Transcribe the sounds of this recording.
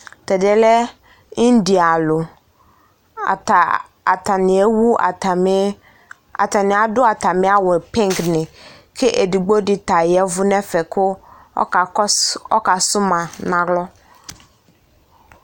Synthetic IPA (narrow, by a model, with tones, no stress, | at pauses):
tɛ˨dɪ˨ɛ˦lɛ˦ | i˦n˦di˨a˨lʊ˨ | a˨ta˨nɪ̃˨e˦wṵ˦˨˦ | a̰˨ta˨nɪ̃˨a˨dʊ˦a˨ta˨mɪ̃˦a˦wɛ˨pɛ˦ŋ˨knɪ̃˨ | kʰɪ˦ʔe˨di˨ɡ͡bo˦dɪ˨ta˨jɛ˦vʊ˦nɛ˦fɛ˨kʰʊ̰˦˨˦ | ɔ̰˦ka˨sʊ˦mã˨nã˨ɡlɔ˦